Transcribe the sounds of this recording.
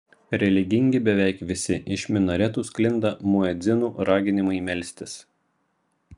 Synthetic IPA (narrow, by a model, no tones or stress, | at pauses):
ɾʲɛlʲɪɡʲɪŋʲɡʲɪbʲɛʋʲɛɪkʋʲɪsʲɪʔɪʃʲmʲɪnɐɾʲɛt̪uːsklʲɪnd̪ɐmʊɛd̪zʲɪnuːɾɑːɡʲɪnʲɪmɐɪmʲɛlʲsʲt̪ʲɪs